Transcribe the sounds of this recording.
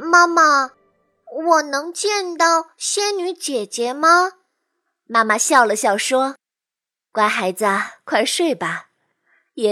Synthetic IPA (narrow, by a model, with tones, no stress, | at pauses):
ma˥ma˨ | wɔ˨˩nɤ˧˥ŋt͡ɕjɛ˥˧nt̪ɑ˥˩ʊɕjɛ˥nny˧˥t͡ɕjɛ˨˩t͡ɕjɛ˧˥mɐ˧ | ma˥ma˨ɕjɑ˥˩ʊlə˨ɕjɑ˥˩ʊʂwɔ˥ | kwa˥xa˧˥ɪd͡zə˧kʰwa˥˧ɪʂwe˥˩ɪpa˨˩ | jɛ˨˩